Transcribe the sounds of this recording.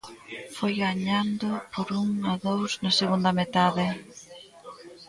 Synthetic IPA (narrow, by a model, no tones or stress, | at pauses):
fojɣaɲand̪ʊpoɾuŋaðowsnɐseɣund̪ɐmet̪aðɪ